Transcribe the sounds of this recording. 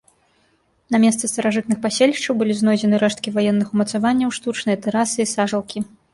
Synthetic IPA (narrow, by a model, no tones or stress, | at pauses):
nɐmʲɛst̪sɨst̪ɐɾaʐɨt̪̚nɨxpasʲelʲiʂt͡ʂɐwbɨlʲiznɔjd͡zʲɛnɨɾɛʂt̪̚kʲivajɛnːɨxumɐt̪savanʲːɐwʂt̪ut͡ʂnɨjɐt̪ɛɾasɨisaʐɐlˠkʲi